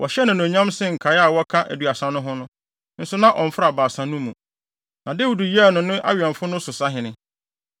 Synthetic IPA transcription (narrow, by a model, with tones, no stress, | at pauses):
wʔɔ˨ɕɛ˦nʊ̃˨nʊ̃˨ɲã˦msɪ˦ŋ̩˨kʰa˨ja˨wɔ˦kʰã˦ʔæ̰˨du˨a˨sã˨nʊ̃˦ɦʊ̃˦nʊ̃˦ | n̩˦sʊ˦nã˦ʔɔ˨ɱ̩˨fɾa˨baː˨sã˨nʊ̃˦mũ˨ | nã˨de˦wu˨du˨ji˦˨nʊ̃˨nʊ̃˦ʔa̰˦ɥɛ̃˨ɱ˨fʊ˦nʊ̃˦sʊ˨sa˦ɦɪ̃˨nɪ̃˨